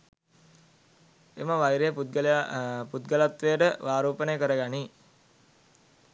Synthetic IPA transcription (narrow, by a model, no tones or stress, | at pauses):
eməʋajɾejəput̪ɡəlput̪ɡəlat̪ʋejəʈəʋaːɾoːpənəjəkəɾəɡani